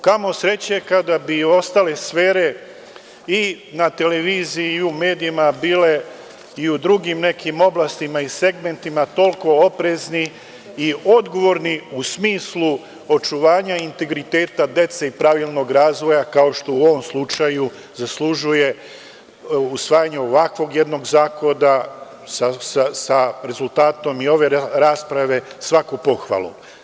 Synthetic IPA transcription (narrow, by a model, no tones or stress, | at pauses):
kamo̞sɾe̞t͡ɕekad̪abio̞st̪ale̞sfe̞ːɾe̞ | i | nat̪e̞le̞ʋiːziume̞ːd̪iimabiːle̞ | iud̪ɾuɡimne̞kimo̞blast̪imaise̞ɡme̞nt̪imat̪o̞lko̞opɾe̞zni | io̞d̪ɡo̞ʋo̞ɾniusmiːslu | o̞t͡ʃuʋaːɲaint̪e̞ɡɾit̪e̞ːt̪ad̪e̞t̪seipɾaʋilˠno̞ɡɾaːzʋo̞jakao̞ʃt̪o̞uo̞ʋo̞mslut͡ʃaju | zasluʒuje̞ | usʋaːjaɲeo̞ʋakʋo̞ɡje̞d̪no̞ɡzaːko̞d̪a | sasasaɾe̞zult̪aːt̪o̞mio̞ʋe̞ɾaːspɾaʋe̞sʋakupo̞xʋa̰lˠṵ